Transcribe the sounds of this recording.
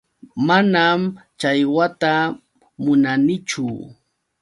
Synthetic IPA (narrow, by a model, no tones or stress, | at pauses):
manamt͡ʃajwat̪a | mʊnanɪt͡ʃʊ